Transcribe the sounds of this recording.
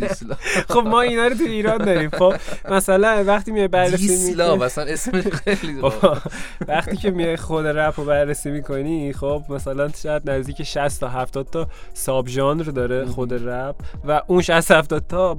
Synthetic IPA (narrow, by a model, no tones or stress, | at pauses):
slχobmɒːinɒːɾot̪ʰuiːɾɒːnd̪ɒːɾiːmxobmæsælænvæχt̪iːmijɒjbæɾːesimilɒbæsænesmexelio | væχt̪iːcʰe̞mijɒjxod̪ɾæpʰobæɾːesiːmiːkʰoniχobmæsælænʃɛjæd̪næzd̪iːkcʰeʃæst̪ʰɒːɦæft̪ɒːd̥̪̚t̪ʰɒsɒːbʒɒnɾd̪ɒːɾexod̪eɾæb̚væʔũnʃæst̪hæft̪ɒːd̪̚t̪ʰɒ